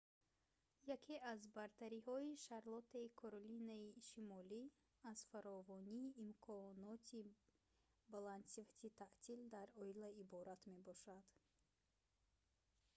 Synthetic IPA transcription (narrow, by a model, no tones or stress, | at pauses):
jakʰeʔazbaɾt̪ʰaɾihɔiʃaɾlɔt̪ʰaikʰoɾolinaiʃimɔli | az̥faɾɔvɔniːʔːmkʰɔnɔt̪ʰi | balansivat̪ʰit̪ʰaʔt̪ʰild̪aɾɔilaibɔɾat̪me̞bɔʃad̪̥